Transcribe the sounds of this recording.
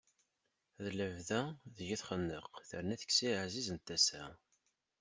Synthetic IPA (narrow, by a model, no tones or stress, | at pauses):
ðləvðæðəʝiθχənːəqθəɾnæθə̥kːsiʕzizənt̪ːæsæ̰